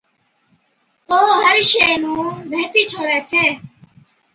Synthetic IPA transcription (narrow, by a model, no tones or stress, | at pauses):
oːɦəɾʃenũːbʱet̪it͡ʃʰoɽat͡ʃʰe